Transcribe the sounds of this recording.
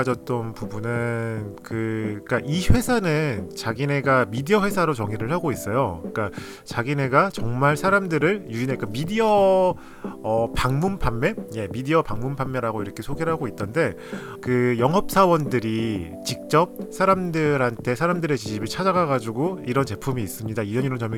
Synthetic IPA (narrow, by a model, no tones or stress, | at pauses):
d͡ʑʌt̚t͈ʌnpubunɯnkɯk͈aʔiɸwe̞sʰanɯnt͡ɕaɡine̞ɡamidiʌɸwe̞sʰaɾot͡ɕʌŋiɾɯɭhaɡois͈ʌjok͈a | t͡ɕaɡine̞ɡat͡ɕʌŋmaɭsʰaɾamdɯɾɯɭjuinek͈amidiʌ | ʌpaŋmumpʰamːe̞je̞midiʌpaŋmunpʰamːe̞ɾaɡoiɾʌkʰe̞sʰoɡeɾɦaɡoit͈ʌnde̞ | kɯjʌŋɦʌp̚s͈ʰawʌndɯɾi | t͡ɕik̚t͡ɕ͈ʌp̚sʰaɾamdɯɾɦantʰe̞sʰaɾamdɯɾe̞t͡ɕiɕʰibɯɭt͡ɕʰad͡ʑaɡaɣad͡ʑuɡoiɾʌnt͡ɕe̞pʰumiːs͈ɯmɲidaid͡ʑʌɲiɾʌnt͡ɕʌm